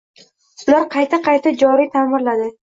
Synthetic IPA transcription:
ʊlaɾqʰɑjt̪ʰaqʰɑjt̪ʰad͡ʒɒɾit̪ʰamɪɾlad̪ɪ

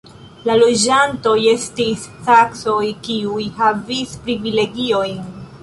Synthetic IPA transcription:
lalo̞d͡ʒanto̞je̞stistakso̞jkiujhavispɾivile̞ɡio̞jn

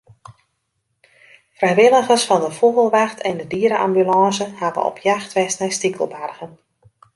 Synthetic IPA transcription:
frɛjʋɪlˠəɣərsfɑndəfoɣəlˠʋaxtʰɛndədiəɾəʔambylɑ̃ːsəhavə̰ɔ̰pʰjaxtʋɛstnɛjstikʰəlˠbarɣən

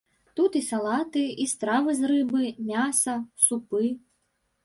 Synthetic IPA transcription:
t̪ut̪isalˠat̪ɨist̪ɾavɨzrɨbɨmʲasɐsupɨ

